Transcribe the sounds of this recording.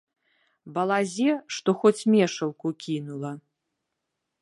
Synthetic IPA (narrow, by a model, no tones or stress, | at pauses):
bɐlˠazʲɛʂt̪ɔxɔt͡sʲmʲɛʂɐwkukʲinulˠɐ